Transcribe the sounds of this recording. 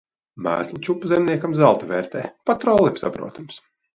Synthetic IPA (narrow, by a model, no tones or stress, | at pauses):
mæ̰ːslˠut͡ʃupːazɛmniɛkamzalˠt̪avɛːɾt̪ɛːpat̪ɾɔlˠipsa̰bɾṵːt̪ams